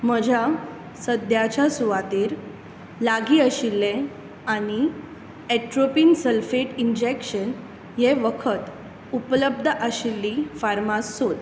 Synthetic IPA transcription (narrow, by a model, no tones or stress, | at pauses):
məd͡ʑʱja | səd̪jat͡ɕjasuʋat̪iːɾ | laɡiːəɕilːẽ | añi | ɛʈɾopiːnsəlfeʈind͡ʑekɕən | jeʋəkʰət̪ | upləb̚d̪ʱəʔəɕilːifaɾmasːot̪